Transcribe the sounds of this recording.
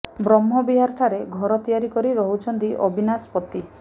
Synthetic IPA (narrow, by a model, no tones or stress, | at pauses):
bɾɔmɦɔbiɦaɾʈʰaɾeɡʱɔɾɔt̪ijaɾikɔɾiɾɔɦut͡ʃʰɔnt̪iʔɔ̰bʱinaspɔt̪ːi